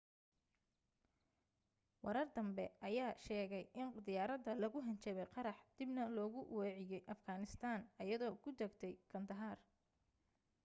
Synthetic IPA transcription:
wɑɾɐrd̪ɐmbɛʔɐjaːʃɛːɣɛjʔɪnd̪ɪjaːɾɐd̪ɐlɐɣʊɦɐnt͡ʃɐβɛjqɑɾɑħd̪̥ɪbnɐlɔːɣʊwɛːʕɪjɛjʔɐfɡaːnɪst̪ʰaːnɐjɐðɔːkʰʊd̪ɐɡt̪ʰɛjkʰɐnd̪ɐɦaːr

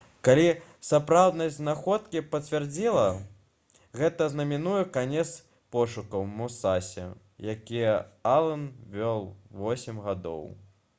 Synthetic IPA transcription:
kalʲisapɾawd̪nɐjznaxɔt̪kʲipɐt͡sʲvʲard͡zʲilˠɐ | ɣɛt̪ɐznɐmʲinujɛkanʲɛt̪s | pɔʂukɐwmusasʲɛ̰ | jakʲijɛalˠɐnvʲɔlˠvɔsʲɛmɣad̪ɔ̰w

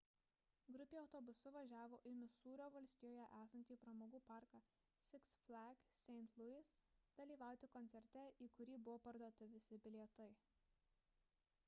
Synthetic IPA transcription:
ɡɾʊpʲeːɒʊt̪ɔbʊsʊʋɐʒʲæːʋoːʔɪmʲɪsuːɾʲoːʋɐlʲsʲt̪ʲɪjoːjɛʔæːsɐnʲt̪ʲiːpɾɐmoːɡuːpɑˑɾkɑ | sʲɪksflʲˠæɡsʲɛɪnt̪lˠʊɪsd̪̥ɐlʲiːʋɑˑʊt̪ʲɪkɔnʲt̪ʲɛɾʲt̪ʲɛiːkʊɾʲiːbʊʋoːpɐɾd̪oːt̪ʲɪʋʲɪsʲɪbʲɪlʲieɛt̪ɐɪ

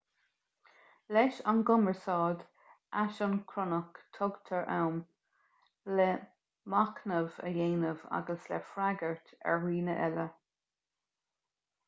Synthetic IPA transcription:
lɛʃanɡʊməɹsɑːd | aʃɔnkʰɾɔnəkt̪ʰɔɡt̪ʰəɹʔa̰wm | lɛ | maknəvə̰jeːnəva̰ɡəslɛ̰fɾaɡəɹtɛ̰ɹɹiːnəʔɛlə

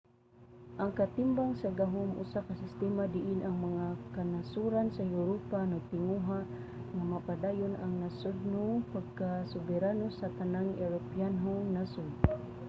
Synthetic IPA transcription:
ʔaŋkat̪ɪmbaŋsaɡaɦʊmʔʊ̰sakasɪst̪ɛmad̪ɪʔɪnʔaŋmaŋakanasuɾansajuɾopanaɡ̚t̪ɪŋuɦaʔ | ŋamapad̪ajʊnaŋnasʊd̪̚nopaɡ̚kasʊbɛɾanosat̪anaŋɛɾopianɦoŋnasʊd

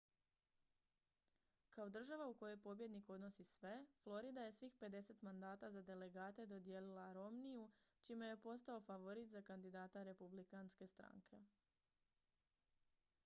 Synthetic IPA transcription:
kao̞d̪r̩ʒaʋauko̞jo̞jpo̞bje̞d̪niko̞d̪no̞sisʋe̞flˠo̞ɾid̪aje̞sʋixpe̞d̪e̞se̞t̪mand̪aːt̪azad̪e̞le̞ɡaːt̪e̞d̪o̞d̪ije̞lilaɾo̞mnijut͡ʃimejepo̞st̪ao̞faʋo̞ɾit̪zakand̪id̪aːt̪aɾe̞publikanske̞st̪ɾa̰ŋkʰe̞

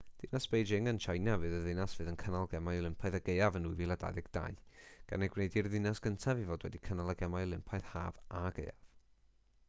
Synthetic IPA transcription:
d̥ɪnasb̥ejd͡ʒɪŋənʃajnavɨːðəðɪnasv̥ɨːðənkʰənalˠɡɛmajlɪmpʰajðəɡejavənujviːlˠada̰ːðɪɡd̥a̰ɨɡ̥a̰nɛɡwnejdirðɪnasɡ̥əntʰavivoːdwɛdikʰənalˠəɡɛmajɔlˠɪmpʰaɨð̥haːvaɡḛjav̥

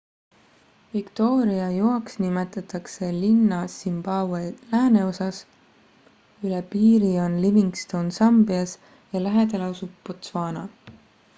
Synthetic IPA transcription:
vikt̪o̞ːɾiɑjoɑksnimet̪ˑɑt̪ːˑɑkse̞linːɑsimb̥ɑwelæːne̞o̞sɑs | ylepiːɾio̞nliviŋɡst̪o̞wnsɑmbiɑs | jɑlæɦed̪elɑosubːot̪svɑːnɑ̰

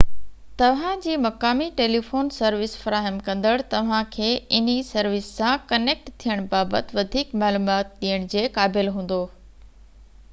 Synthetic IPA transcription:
t̪ɐʋ̤ãd͡ʑiːmɐkaːmiʈeːlifoːnsɐɾʋɪsfɐɾaːɦəmkɐ̃nd̪əɽt̪ɐʋ̤ãkʰeːɪn̤isɐɾʋɪsːãkɐneːk̚ʈt̪ʰijəɽ̃baːbət̪ʋɐd̪ʱiːkmaːluːmaːt̪̚ɗijəɽ̃d͡ʑeːkaːbɪlɦũːn̆d̪oː

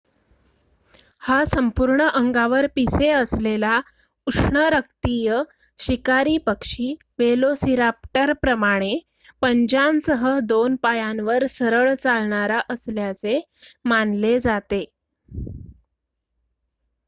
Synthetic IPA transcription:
hasəmpuɾɳəʔəŋɡaʋəɾpiseəslela | uʂɳəɾək̚t̪ijə | ɕikaɾiːpəkʂiː | ʋelosiɾap̚ʈəɾpɾəmaɽ̃e | pəɲd͡ʑansəɦəd̪onpajanʋəɾsəɾəɭt͡salɳaɾaʔəsljat͡se | manled͡zat̪e

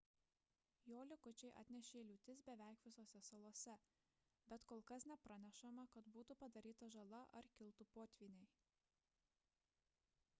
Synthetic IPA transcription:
joːlʲɪkʊt͡ʃʲɛɪʔɐ̰t̪ʲnʲɛʃʲeːlʲuːt̪ʲɪsbʲɛʋʲæˑɪkʋʲɪsoːsʲɛsɐlˠoːsʲɛ | bʲɛt̪koːlˠkɐsnʲɛpɾɐnʲɛʃɐmɐkɐt̪buːt̪ʊpɐd̪ɐɾʲiːt̪ɐʒɐlˠɐʔɐɾkʲɪlˠt̪upoːt̪ʲʋʲiːnʲɛɪ

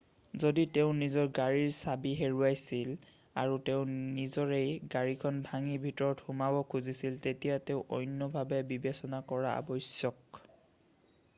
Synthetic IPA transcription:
zoditeʊ̃nizɔɹɡaɹiɹsabiɦeɹuajsil | a̰ɹuteʊ̃nizɔɹejɡaɹikʰɔnbʱaŋibʱitɔɹɔthumabɔkʰuzisiltetijateʊ̃ʔɔjnːɔbʱabɛbibesɔnakɔɹaa̰bɔjsjɔk̚

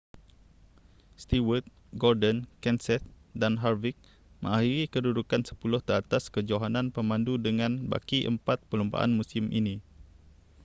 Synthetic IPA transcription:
st̪iwət̪̚ | ɡɔrdənkɛnsɛt̪̚danɦarvik̚ | mə̰̃ahiɾikədudukansə̥pulʊht̪əɾat̪askəd͡ʒoɦanãnpəmãndudəŋãnba̰kiʔə̰mpat̪̚pəlumba̰ʔa̰nmũsimʔḭni

